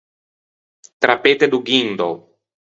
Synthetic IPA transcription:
t̪ɾapet̪ed̪uɡind̪o̰

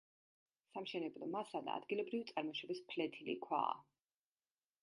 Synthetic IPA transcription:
samʃɛnɛblˠɔmasad̪a̰ːd̪ɡilˠɔbɾivit̪sʼaɾmɔʃɔbispʰlɛt̪ʰilḭkʰwa̰ː

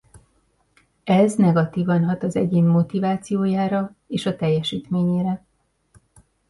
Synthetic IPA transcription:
ɛznɛɡɒt̪iːvɒnɦɒt̪ɒzɛ̰ɟeːmːo̞t̪ivaːt̪sijoːjaːɾɒ | eːʃɒt̪ɛjːɛʃiːt̪meːɲeːɾɛ

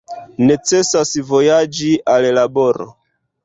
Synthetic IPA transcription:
ne̞t͡se̞sasvo̞jad͡ʒiallabo̞ɾo̰

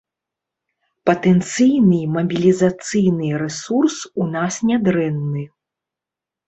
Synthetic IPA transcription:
pɐt̪ɛnt̪sɨjnɨmɐbʲilʲizat̪sɨjnɨɾɛsursunasnʲad̪ɾɛnːɨ

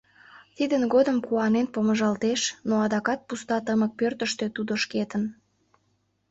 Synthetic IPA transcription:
t̪id̪ənɡod̪əmkuɑnenpoməʒɑlt̪eʃnoɑd̪ɑkɑt̪̚pust̪ɑt̪əmək̚pørt̪əʃt̪øt̪ud̪oʃket̪ən

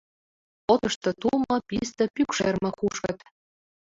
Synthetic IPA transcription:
ot̪ɤ̆ʃt̪ɤ̆t̪ulˠmɤ̆pʲist̪ɤ̆pʲykʃermɤ̆kuʃkɤ̆t̪

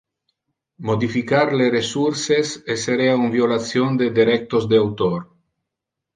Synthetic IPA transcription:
mod̪ifikaɾleresuɾseseseɾeaumvjolat͡sjond̪ed̪eɾɛk̚t̪ozd̪eawt̪oɾ

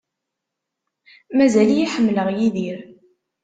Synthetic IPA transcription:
mæzælijiħəmːləʁjiðiɾ

